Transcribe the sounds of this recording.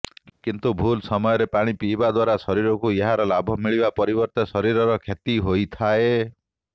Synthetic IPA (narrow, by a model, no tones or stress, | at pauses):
kint̪ubʱulsɔmɔjɔɾepaɽ̃ipibad̪waɾasɔɾiɾɔkueɦaɾɔlabʱɔmiɭibapɔɾibɔɾt̪ɔsɔɾiɾɔɾɔkʰet̪iɦojt̪ʰae